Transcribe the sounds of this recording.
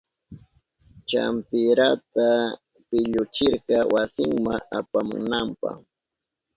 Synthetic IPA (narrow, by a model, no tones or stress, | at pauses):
t͡ʃa̰mpɪɾat̪a | pɪʎʊt͡ʃɪɾɢɑwasɪŋmaapamʊ̰nampɑ̰χ